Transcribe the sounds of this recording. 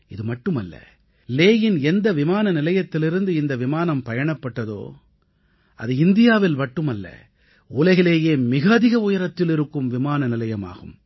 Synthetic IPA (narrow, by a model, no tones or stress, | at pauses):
ɪðɯmɐʈːɯmɐ̰lːɐ̰ | leːjɪnɛnd̪ɐʋɪmaːnɐnɪlɐjɐt̪ːɪlɪɾɯnd̪ɯɪnd̪ɐʋɪmaːnɐmpɐjɐɳɐpːɐʈːɐðo̰ː | ʔɐ̰ðɯɪnd̪ɪjaːʋɪlmɐʈːɯmɐlːɐ̰ | ʊlɐɣɐɭeːjeːmɪɣɐːðɪɣɐʊjɐɾɐt̪ːɪlɪɾɯkːɯmʋɪmaːnɐnɪlɐjɐma̰ːɣɯm